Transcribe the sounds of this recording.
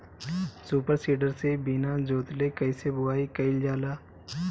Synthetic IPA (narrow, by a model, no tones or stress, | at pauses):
suːpəɾsiːɖəɾsebiːnad͡ʒoːt̪lekɐɪsebʊaːikɐɪld͡ʒaːlaː